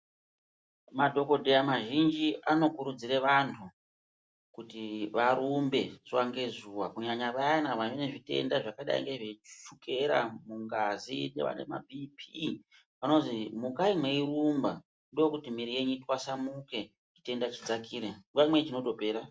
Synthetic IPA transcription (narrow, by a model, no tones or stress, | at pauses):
madʱo̞ko̞dʱejamaʒind͡ʒiano̞kuɾud͡ziɾeʋantʰu | kutiʋaɾumbe̞ʐwaŋɡe̞zuwakuɲaɲaʋaanaʋaeneʐite̞̰ndaʐakaɗa̰ḭŋɡeʐeʃuke̞ɾa̰muŋɡazinḛʋa̰nḛma̰bʱipʰi | pano̞zimukaimweiɾumba | ndojokutimiɾije̞ɲutwasamuke̞ | ite̞ndat͡ʃid͡zakʰiːɾeŋamwet͡ʃino̞to̞pe̞ːɾa